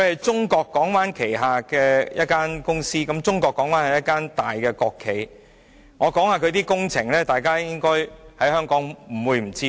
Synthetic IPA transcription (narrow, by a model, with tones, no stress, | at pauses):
kʰɵ˨˧ɥhɐ˨jt͡sʊ˥ŋkɔː˧kːɔː˨˥ŋfaː˨˥nkʰe˨˩jɦaː˨kɛː˧jɐ˦t̚kaː˥nkʊ˥ŋsiː˥kɐ˨˥mt͡sʊ˥ŋkɔː˧kːɔː˨˥ŋmaː˨˥nhɐ˨˩jɐ˥t̚kaː˥nt̪aː˨jkɛː˧kɔː˧kʰːe˨˩j | ŋɔː˨˧kɔː˨˥ŋhaː˨˧kʰɵ˧ɥt̪iː˥kʊ˥ŋt͡sʰɪ˨˩ŋlɛː˥t̪aː˨jkaː˥jɪ˥ŋkɔː˥jhɐ˨˥jhœː˥ŋkɔː˨˥ŋm̩˨˩wuː˨˧jm̩˨˩t͡siː˥